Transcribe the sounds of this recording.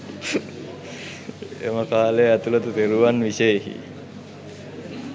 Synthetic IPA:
ḛməkaːleæt̪ulot̪ut̪eɾuʋanʋiseiɦḭ

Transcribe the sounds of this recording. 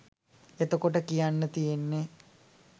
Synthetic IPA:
et̪okoʈəkijanːət̪ijenːe

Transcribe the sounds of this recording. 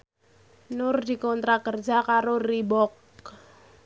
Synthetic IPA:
nʊrd̪ikɔnt̪ɾakərd͡ʒakaɾoribɔk

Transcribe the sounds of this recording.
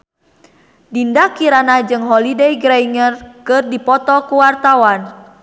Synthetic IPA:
dindakiɾanad͡ʒɨŋɦɔlidɛjɡɾaiŋərkɨrdipɔt̪ɔkuwart̪awan

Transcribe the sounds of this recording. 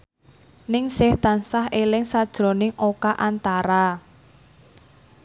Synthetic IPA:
nɪŋsɪht̪a̤nsaɦʔelɪŋsad̥ʒ̥ɾo̤nɪŋʔokaʔant̪aɾa

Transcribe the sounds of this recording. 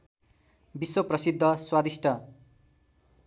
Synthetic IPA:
biswoprʌsid̪ʱːʌswad̪isʈʰʌ

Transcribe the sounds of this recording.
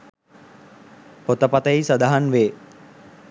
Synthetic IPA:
pot̪əpat̪əisad̪aɦanʋeː

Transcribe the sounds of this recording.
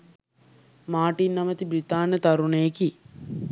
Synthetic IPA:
maːʈinːɐmət̪ibɾit̪aːnət̪aɾunəjeki

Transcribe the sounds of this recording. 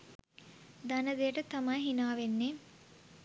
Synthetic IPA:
d̪anəd̪ejəʈət̪amajɦinaːʋenːe

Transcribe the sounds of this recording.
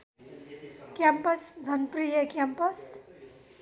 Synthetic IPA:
kjampʌsd͡zʱʌnprijʌkjampʌs

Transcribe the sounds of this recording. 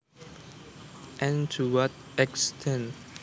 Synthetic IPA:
ʔɛ̃ntʰuwɔtɛkstʰɛ̃nt

